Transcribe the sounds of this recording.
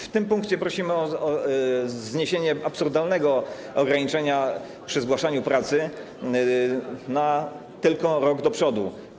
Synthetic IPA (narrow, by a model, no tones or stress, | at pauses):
ft̪ɘmpũŋkt͡ɕɛpɾɔɕimɘɔɔ | zɲeɕeɲɛapsuɾd̪alnɛɡɔ | ɔɡɾaɲit͡ʂɛɲa | pʂɘzɡwaʂaɲupɾat̪sɘ | na | t̪ɘlkɔɾɔɡd̪ɔpʂɔd̪u